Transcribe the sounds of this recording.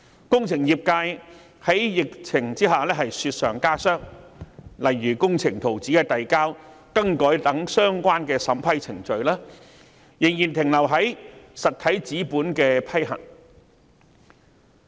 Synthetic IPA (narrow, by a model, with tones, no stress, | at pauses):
kʊ˥ŋt͡sʰɪ˨˩ŋjiː˨p̚kaː˧j | hɐ˨˥jjɪ˨k̚t͡sʰɪ˨˩ŋt͡siː˥ɦaː˨lɛː˥ɦɐ˨jsyː˧t̚sœː˨˩ŋkaː˥sœː˥ŋ | lɐ˨jːyː˨˩kʊ˥ŋt͡sʰɪ˨˩ŋt̪ʰo˨˩wt͡siː˨˥kɛː˧t̪ɐ˨jkaː˥w | kɐ˥ŋkɔː˨˥jt̪ɐ˨˥ŋsœː˥ŋkʷaː˥nkɛː˧sɐ˨˥mpʰɐ˥jt͡sʰɪ˨˩ŋt͡ʃɵ˨ɥlaː˥ | jɪ˨˩ŋjiː˨˩nt̪ʰɪ˨˩ŋlɐ˨˩wɦɐ˨˥jsɐ˨t̚t̪ʰɐ˨˥jt͡siː˨˥puː˨˥nkɛː˧pʰɐ˥jɦɐ̰˨˩ŋ